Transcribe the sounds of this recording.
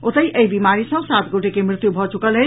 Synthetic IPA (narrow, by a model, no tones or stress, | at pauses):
ot̪əjəibimaɾisə̃sat̪ɡoʈekemɾɪt̪jubʱɔt͡ʃukəlɦə